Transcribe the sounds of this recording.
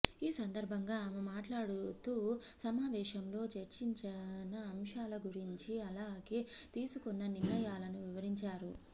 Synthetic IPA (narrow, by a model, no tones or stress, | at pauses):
iːsɐnd̪ɐɾbʱɐŋɡaːmemaːʈlaːɽut̪uːsɐmaːʋɛːʃɐmlo̞ːt͡ʃeɾt͡ʃiɲt͡ʃɐnɐːmʂaːlɐɡuɾiɲt͡ʃiɐlaːɡe̞ːt̪iːsukonːɐniɾnɐjaːlɐnuʋiʋɐɾiɲt͡ʃaːɾu